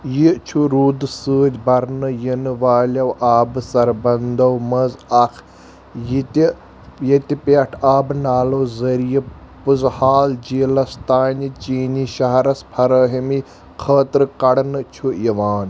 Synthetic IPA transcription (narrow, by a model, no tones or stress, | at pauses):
jit͡ʃʰuɾuːd̪ɨsɨːd͡ʒʲbɐɾnɨjinɨʋaːlʲɐwʔaːbɨsɐɾbɐnd̪ɐwmɐzɐkʰ | jit̪i | jɐt̪ʲipeʈʰaːbnaːlɐwzɐɾijɐ | pɨzhaːld͡ʒiːlɐst̪aːnʲit͡ʃiːniʃɐɦɾɐspʰɐɾəːɦimi | kʰɐːt̪ɾɨkɐɽnɨt͡ʃʰuiʋaːn